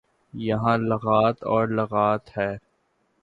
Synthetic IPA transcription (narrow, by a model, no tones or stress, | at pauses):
jɐɦãlɐɣaːt̪ɔːɾlɐɣaːt̪hɛː